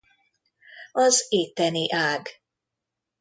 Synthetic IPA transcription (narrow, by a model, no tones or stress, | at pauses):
ɒzeːt̪ːɛniʔaːɡ